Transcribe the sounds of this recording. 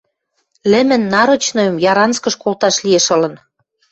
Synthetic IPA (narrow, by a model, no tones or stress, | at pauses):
lĕmɘ̆nːɑɾɤ̆t͡ɕnojə̆mjɑɾɑnskə̆ʃkolt̪ɑʃlieʃɤ̆lɤ̆n